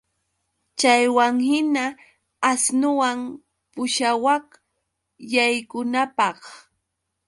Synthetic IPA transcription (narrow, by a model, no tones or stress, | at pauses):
t͡ʃajwaŋhɪnaː | snʊwam | pʊʃawɑh | jajkʊnapɑχ